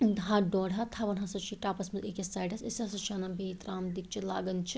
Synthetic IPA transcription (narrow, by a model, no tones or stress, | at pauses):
d̪aɖɔːɽɦat̪ʰaʋɐnɦɐsɐt͡ʃʰiːʈaːpɐsmɐzekesaːʈɐsesɐsɐt͡ʃʰaːnɐbʱiːt̪ɾaːmd̪ik̚t͡ʃʰila̰ːɡɐnt͡ʃʰi